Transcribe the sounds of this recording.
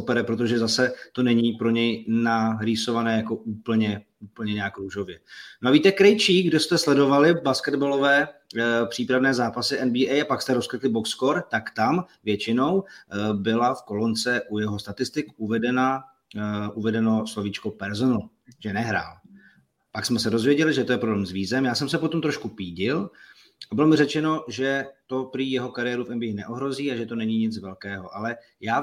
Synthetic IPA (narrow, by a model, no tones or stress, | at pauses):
opɛɾɛpɾo̞t̪̬oʒɛzasɛt̪o̞nɛɲiːpɾo̞ɲɛjnaɾiso̞vanɛːjako̞ʔuːpl̩ɲɛ | uːpl̩ɲɛɲɛjakɾuːʒo̞vjɛnoʔaviːt̪ɛkɾɛjt͡ʃiːɡdost̪ɛslɛdo̞valɪbaskɛd̪balo̞vɛːpr̝̥iːpɾavnɛːzaːpasɪʔɛnbiːɛjapakst̪ɛɾo̞skɾɪt̪lɪbokskoɾt̪akt̪amvjɛt͡ʃɪno̞wbɪlafko̞lo̞nt͡sɛʔujɛɦo̞st̪at̪ɪst̪ɪkʔuvɛdɛna | ʔuvɛdɛno̞slo̞vit͡ʃkopɛɾzonal | ʒ̥ɛnɛɦɾa̰ːl | paksmɛsɛdo̞zvjɛɟɛlɪʒɛt̪o̞jɛpɾoblɛːmzviːzɛmjaːsɛmsɛpo̞t̪o̞mt̪ɾoʃkupiːɟɪl | ʔabɪlo̞mɪrɛt͡ʃɛno̞ʒɛt̪o̞pɾɪjɛɦo̞kaɾɪjɛːɾufɛnbiɪnɛʔo̞ɦɾo̞ziːaʒɛt̪o̞nɛɲiɲɪt͡svɛlkɛːɦo̞ʔalɛ | jaː